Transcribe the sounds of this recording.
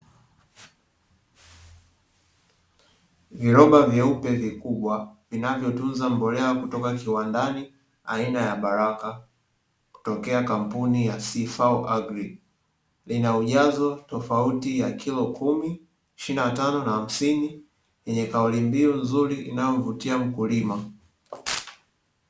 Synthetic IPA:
viɾɔɓavjaupɛvikuɓwavinavjɔtunzambɔlɛwakutɔkakiwandani | a̰inajaɓaɾaka | ku̥tɔkɛakam̩punijasifawʔaɡɾi | linauʄazɔtɔfautijakʰilɔkʰumi | iʃinatanɔnaham̩sini | jɛɲɛkaulimbiunzuɾiʔinajɔvutiam̩kulima

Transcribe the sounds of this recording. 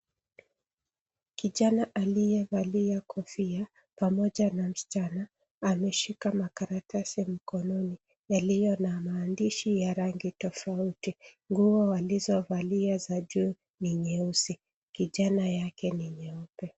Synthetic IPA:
kiʄanaʔalijɛvaliakɔfia | pamɔʄanam̩stanaː | mɛʃikamakaɾatasim̩kɔnɔni | jalijɔnamaːndiʃijaɾaŋɡitɔfautiŋɡuɔwalizɔvaliazaʄu | niɲɛusi | kiʄanajakɛniɲɛupɛ

